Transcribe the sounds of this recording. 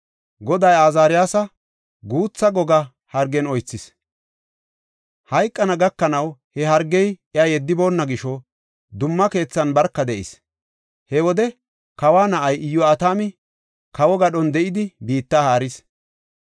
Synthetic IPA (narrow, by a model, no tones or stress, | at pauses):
ɡɔd̪ɐjaːzaːɾɪjaːsɐ | ɡuːt͡sːɐɡɔɡɐ | hɐɾɡɛnɔjt͡sːɪs | hɐjkʼːɐnɐɡɐkːɐnɐwhɛɦɐɾɡɛjjajɛd̪ːɪbo̞ːnːɐɡɪʃɔ | d̪ʊmːɐke̞ːt͡sːɐnbɐɾkːɐd̪ɛʔɪ̰s | hɛwɔd̪ɛ | kɐwaːnɐʔɐjɪjːɔat̪aːmɪ | kɐwɔɡɐɗɔnd̪ɛʔɪd̪ɪbiːt̪ːaːhaːɾɪs